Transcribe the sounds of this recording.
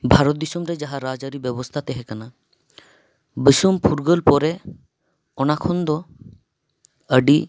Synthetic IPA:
bʱaɾot̪̚d̪isumɾed͡ʒaɦaɾad͡ʒaɾibɛbost̪ʰat̪ɛɦɛkana | bəsumpʰuɾɡəlpɔɾe | ɔnakʰɔnd̪ɔ | əɖi

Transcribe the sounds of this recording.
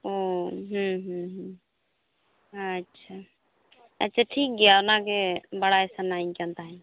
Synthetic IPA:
oɦə̃ɦə̃ɦ | ətːʃʰa | ətːʃʰaʈʰiːk̚ɡijanãkebəɽaesanaĩnkãnt̪aɦɛ

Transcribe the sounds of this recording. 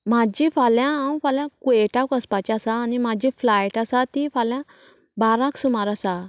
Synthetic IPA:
mad͡ʑifaljãɦaw̃faljãkueʈakəspat͡ɕasaːnim̤ad͡ʑiflajʈasat̪ifaljã | baɾãksumaɾasa

